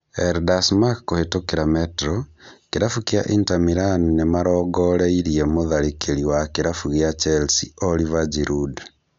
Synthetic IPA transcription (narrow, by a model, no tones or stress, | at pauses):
eɾdasmakːohetokeɾametɾɔkeɾafukja̰ʔintamiɾannemaɾɔːɡɔɾeiɾiemoðaɾikʰeɾiwakeɾafuɣjat͡ʃɛlsiolivad͡ʒiɾʔud